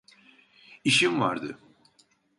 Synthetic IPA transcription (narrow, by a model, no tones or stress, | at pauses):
iʃimva̰ɾd̪ɯ̰